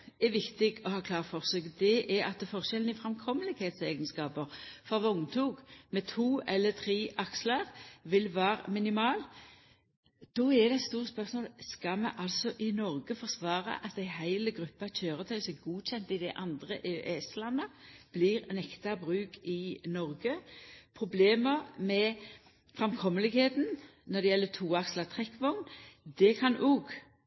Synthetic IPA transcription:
ɛʋɪkt̪ɪɡɔhɑːkʰlɑːʁfɔʁsøːkd̪ɛʔɛɾɑt̪fɔʁɕɛlən̩ɪfɾɑmkʰɔmːəlɪɡheːt̪seːɡənskɑːpəɾfɔɾʋɔŋt̪ʰuːɡmɛt̪ʰuːɛlːət̪ʰɾiːʔɑkslɑɾʋɪlʋæːʁəmɪnɪmɑːl | d̪̥ɔɛd̪ɛɛt̪st̪uːɾəspœʁsmoːlskɑmɛ̰ʔɑlsɔʔɪnɔɾɡəfɔʁsʋɑːɾə̰ʔɑt̪æɪhæɪləɡɾʉpːɑçøːʁət̪ʰœʏsɛɡuːɕɛnt̪ɪd̪ɛʔɑnd̪ʁəʔeʔɛːslɑnːəb̥liːʁnɛkt̪ɑbʁʉːkɪnɔɾɡəpʰʁʊbleːməɾmɛ | fʁɛmkʰɔmːəlɪɡheːt̪n̩nɔd̪ɛjɛlːət̪ʰuːɑkslət̪ʰʁɛkːʋɔŋnd̪ɛkʰɑnuːɡ

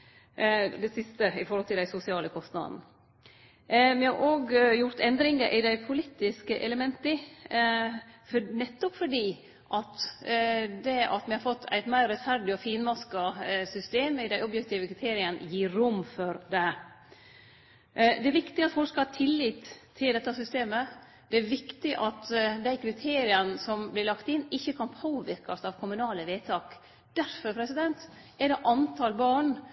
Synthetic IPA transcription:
d̪ɛsɪst̪əɪfɔɾhɔlt̪ʰɪld̪æɪsʊsɪɑːləkʰɔst̪nɑ̰d̪n̩ | mɪhɑɾʔoːɡjʊɾt̪ɛnd̪ɾɪŋəʔɪd̪æɪpʰʊliːt̪ɪskəʔɛləmɛnt̪ə | fnɛt̪ːɔpfɔɖiː | ʔɑt̪ | d̪ɛɑ̰t̪mɪhɑɾfɔt̪ːʰæ̰ɪt̪mæɪɾɾɛt̪fæɾɖɪɔfiːnmɑskɑsʏst̪eːmɪd̪æɪɔbjɛkt̪iːʋəkʰɾɪt̪ʰeːɾɪən̰jiːɾʊmːfɔɾd̪ɛ | d̪ɛæɾʋɪkt̪ɪɑt̪fɔlkskɑhɑːt̪ʰɪlːiːt̪ʰːɪld̪ɛt̪ːɑsʏst̪eːmə | d̪̥ɛæɾʋɪkt̪ɪʔɑt̪d̪æɪkʰɾɪt̪ʰeːɾɪənəsɔmblɪlɑkt̪ɪnːɪçːəkʰɑnpʰoːʋɪɾkɑsɑʋkʰʊmʉnɑːləʋeːt̪ʰɑːk | d̪̥æɾfɔɾpʰɾɛsɪd̪ɛnt̪ | ɛɖɛʔɑnt̪ʰɑlbɑːɳ

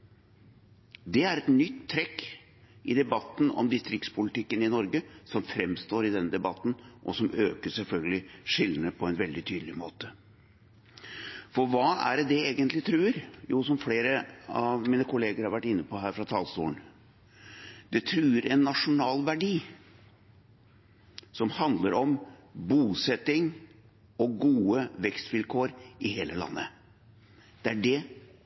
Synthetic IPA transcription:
d̪ɛæɾɛt̪nʏt̪ʰːɾɛkː | ʔɪd̪ɛbɑt̪ːn̩ɔ̰md̪ɪst̪ɾɪkt̪spʰʊlɪt̪ʰɪkːənɪnɔɾɡəsɔmfɾɛmːst̪oːɾɪd̪ɛnːəd̪ɛbɑt̪ːn̩ʔɔ̰sɔmøːkəsɛlfœlɡəlɪʂɪlːnəpʰɔɛnʋɛld̪ɪt̪ʰyːd̪əlɪmo̰ːt̪ə | fɔɾʋɑːæ̰ɾd̪ɛeːɡənt̪lɪt̪ʰɾʉːɾjuːsɔmfleːɾəɑʋmiːnəkʰʊleːɡəɾhɑɾʋæʈːɪnːəpɔɦæːɾfɾɑt̪ʰɑlst̪ṵːən | d̪ɛt̪ʰɾʉːɾɛnːɑʂʊnɑːlʋæɖiː | sɔmhɑnd̪ləɾʔɔmbuːsɛt̪ɪŋ | ɔɡuːəʋɛkst̪ʋɪlkʰoːɾʔɪheːləlɑ̰nːə̰ | d̪̥ɛæɖɛ

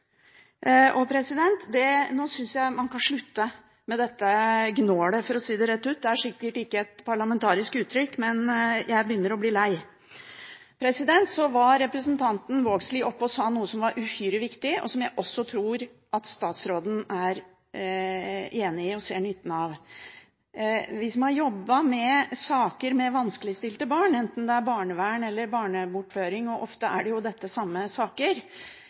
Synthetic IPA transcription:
ʔɔpʰɾɛsɪd̪ɛnt̪d̪ɛnoːsʏnsjæɪmɑnkɑnʂɭʉt̪ːə | mɛd̪ɛt̪ːəɡnoːɽəfɔɾɔsiːd̪ɛɾɛt̪ːʉːt̪̚d̪ɛæʂɪkːəʈɪkːəɛt̪pʰɑɭɑmɛnt̪ʰɑːɾɪskʉːt̪ʰːɾʏkːmɛnjʔæɪbəjʏnːəɾɔbliːlæɪ | pʰɾɛsɪd̪ɛnt̪sɔʋɑɾɛpɾəsnt̪ʰɑnt̪n̩ʋoːɡslɪʔɔpːɔsɑːnuːəsɔmʋɑɾʔʉhyːɾəʋɪkt̪ɪɔ̰sɔmjæɪʔɔsːɔt̪ʰɾuːɾ | ʔɑt̪st̪ɑːt̪sɾoːd̪n̩æɾ | eːnɪɪɔseːɳʏt̪ːn̩ɑʋ | ʋɪsmɑhɑɾjɔbːɑmɛsɑːkəɾmɛʋɑnskəlɪst̪ɪlt̪əbɑːɳɛnt̪n̩d̪ɛæɾbɑːɳəʋæːɳɛlːəɾbɑːɳəbʊʈːføːɾɪŋɔʔɔft̪əʔæ̰ɖɛjʊd̪ɛt̪ːəsɑmːəsɑːkəɾ

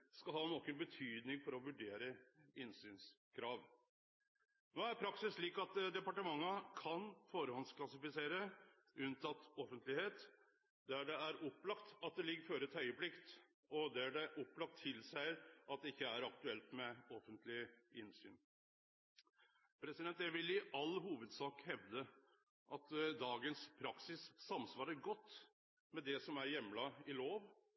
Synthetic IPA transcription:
skɑlhɑːnoːkənbət̪ʰyːd̪nɪŋfɔɾɔʋʉɖeːɾəɪnsyːns | kʰɾɑːʋ | noːæɾpʰɾɑksɪsʂɭiːkɑt̪d̪ɛpɑʈəmɑŋːəkʰɑnfoːɾəhɔnsklɑsɪfɪseːɾə | ʉnt̪ʰɑt̪ɔfənt̪lɪheːt̪ | d̪æɖɛæɾʔɔpːlɑkt̪ɑt̪̚d̪ɛlɪɡːəɾføːɾəɛt̪hœʏəplɪkt̪ | ɔd̪ɛæɖɛʔɔpːlɑk̚t̪ʰːɪlsæɪʔɑt̪̚d̪ɛɪkːəæɾɑkt̪ʉɛlt̪mɛɔfənt̪lɪɪnsy̰ːn | pʰɾɛsɪd̪ɛnt̪jæʋɪlɪʔɑlːhuːʋəd̪sɑːkhɛʋd̪ə | ʔɑt̪d̪ɑːɡənspʰɾɑksɪsːɑmsʋɑːɾəɡɔt̪ː | mɛd̪ɛsɔmæɾjɛmlɑɪloːʋ

